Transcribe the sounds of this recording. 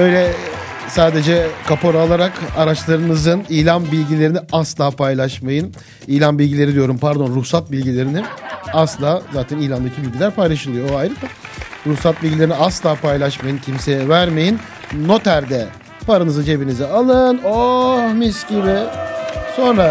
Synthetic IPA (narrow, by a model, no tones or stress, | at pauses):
ø̞jlʲɛ | saːd̪e̞d͡ʒɛkʰapʰo̞ɾalˠaɾakaɾat͡ʃlˠaɾɯnɯzɯniːlʲanbilʲɟilʲe̞ɾiniaslˠaːpʰajlˠaʃmajɯn | iːlʲˠanbilʲɟilʲe̞ɾid̪ijo̞ɾumpaɾd̪o̞nɾusat̪̚bilʲɟilʲe̞ɾiniaslˠaːzaːt̪ʰɛnijlʲand̪acʰibilʲɟilʲæɾpʰajlˠaʃɯlˠɯjooajɾɯpaɾusat̪̚bilʲɟilʲeɾiniaslˠaːpʰajlˠaʃmajɯncʰimseɛvæɾme̞jinː | o̞t̪ʰæɾd̪ɛ | paɾanɯzɯnt͡ʃʰe̞binizɛalˠɯnomisɟibɪ | so̞nɾa